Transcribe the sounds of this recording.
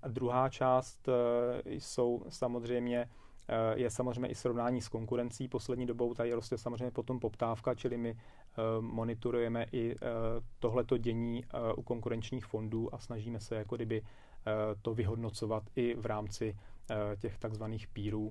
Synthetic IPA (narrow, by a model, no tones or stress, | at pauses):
ʔad̪ɾuɦaːt͡ʃaːst̪jso̞wsamozr̝ɛjmɲɛ | jɛsamozr̝ɛjmɲɛ̰ʔɪsɾo̞vnaːɲiːsko̞ŋkuɾɛnt͡siːpo̞slɛdɲiːdobo̞wt̪aɪɾost̪ɛsamozr̝ejɲɛpo̞t̪o̞mpo̞pt̪aːfkat͡ʃɪlɪmɪ | mo̞nɪt̪oɾujɛmɛʔɪ | t̪o̞ɦlɛt̪o̞ɟɛɲiːʔṵko̞ŋkuɾɛnt͡ʃɲiːxfo̞nduːʔasnaʒiːmɛsɛjakoɡdɪbɪ | t̪o̞vɪɦo̞dno̞t͡so̞vat̪ʔɪvɾaːmt͡sɪcɛxt̪aɡzvaniːxpiːɾuː